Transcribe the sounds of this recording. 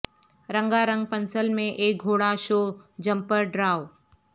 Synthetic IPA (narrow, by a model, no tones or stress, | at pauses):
ɾə̃ŋɡaɾə̃ŋɡ̚pə̃nsəlmẽʔeːk̚ɡʱoːɽaʃoːd͡ʒɐ̃mpəɾɖɾaːw